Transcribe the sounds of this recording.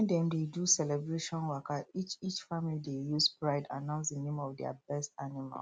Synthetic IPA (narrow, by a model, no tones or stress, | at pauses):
ndɛ̃mdedusɛlɛbɹeʃɔ̃nwakait͡ʃit͡ʃfamilidejuspɹaɪda̰nãʊ̃nsdənẽmɔvdɛa̰bɛstanima̰l